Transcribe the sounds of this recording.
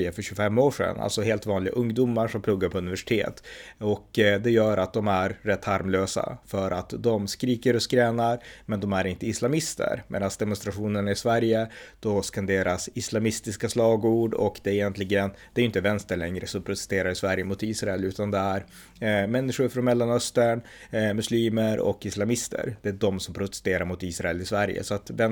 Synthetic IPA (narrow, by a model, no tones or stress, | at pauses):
jəfœɕʉfɛmːoːʂɛ̰na̰lsɔɦeːlt̪vɑːnlɪɡaʔɵŋd̪umːaɾʂɔmpʰlɵɡːaɾpʰɔɵnɪvæʂɪ̥t̪ʰḛːt̪ɔkːd̪ɛjœːɾat̪̚d̪ɔmæɾːɛt̪ʰːhaɾmløːsa̰fœɾʔat̪d̪ɔmskɾiːkəɾɔskɾɛːnaɾmɛnd̪ɔmæɾɪnt̪əɪslamɪst̪ə̰ɾmḛːd̪ansd̪ɛmʊnst̪ɾaɧuːnəɳaɪsvæɾjəd̪̥ɔskand̪eːɾasɪslamɪst̪ɪskaslɑːɡuːɖɔ̰kd̪ɛɪjɛnt̪ʰlɪɡənd̪̥ɛɾʏɪnt̪əvɛnst̪əɭɛŋɾəsɔmpʰɾʊt̪ɛ̥st̪eːɾaɾɪsvæɾjəmʊt̪iːsɾaɛlʉːt̪and̪ɛæɾ | mɛnːɪʂʊɾfɾɔnmɛlːanœst̪əɳ | mɵsliːməɾɔ̰kɪslamɪst̪ʰə̰ɾd̪ɛæɖɔmsɔmpʰɾʊt̪ɛ̥st̪eːɾaɾmʊt̪iːsɾaɛlɪsvæɾjə̰sɔat̪vɛ